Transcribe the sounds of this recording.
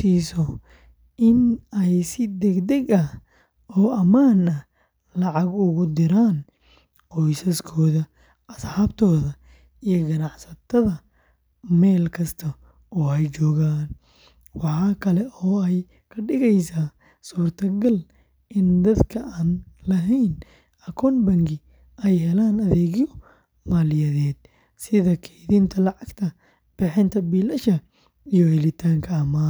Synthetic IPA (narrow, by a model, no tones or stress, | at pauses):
siːsɔ | ʔɪnɛjsɪd̪ɛɡd̪ɛɡɐh | ɔːʔɐmaːnɐ | lɑʕɑɡʊɣʊd̪ɪɾaːn | qɔjsɐskʰɔːðɐ | ʔɐsħɑːbt̪ʰɔːðɐ | ijɔɡɐnɑħsɐt̪ʰɐðɐ | mɛːlkʰɐst̪ʰɐ | ɔːɛjt͡ʃɔːɣaːn | wɑħɑːkʰɐlɛʔɔːɛj | kʰɐɖɪɣɛjsaː | suːrt̪ʰɐɡɐl | ʔɪnd̪ɐd̪kʰɐʔaːnlɐɦɛjn | ɐkʰɔːnbɐŋɡɪ | ʔɛjɦɛlaːnɐðɛːɣjɔ | maːlɪjɐðɛːd̪̚ | sɪðɐkʰɛjðiːnt̪ʰɐlɑʕɑɡt̪ʰɐ | b̥ɪħɪnt̪ʰɐbiːlɐʃɐ | ijɔhɛlɪt̪ʰaːŋkʰɐɐmaː